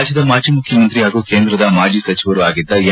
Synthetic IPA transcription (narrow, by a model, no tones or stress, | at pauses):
d͡ʒjɐd̪ɐmaːd͡ʒimukʰjɐmɐnt̪ɾiɦaːɡukeːnd̪ɾɐd̪ɐmaːd͡ʒisɐt͡ʃiʋɐɾuaːɡid̪ːɐe